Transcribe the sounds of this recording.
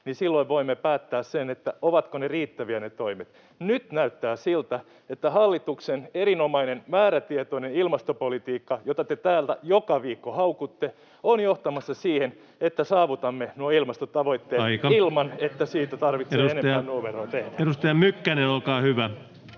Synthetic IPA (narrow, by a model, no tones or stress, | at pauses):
nisilːoiʋʋoimːepæːt̪ːæːssenet̪ːæoʋɑt̪koneriːt̪ːæʋiænet̪oimet̪ | nyt̪næyt̪ːæːsilt̪æ | et̪ːæhɑlːit̪ukseneɾinomɑinenmæːɾæt̪iet̪oinenilmɑst̪opolit̪iːkːɑjot̪ɑt̪et̪æːlt̪æ̰jokɑʋiːkːohɑukut̪ːe | onjoht̪ɑmɑsːɑsiːhen | et̪ːæsɑːʋut̪ɑmːenuɑilmɑst̪ot̪ɑʋoit̪ːeːɑikɑilmɑnet̪ːæsiːt̪æt̪ɑrʋit̪seueneɑænnuːmeroːt̪ehdæeɾust̪ejɑmykːænenolkɑːhyʋæ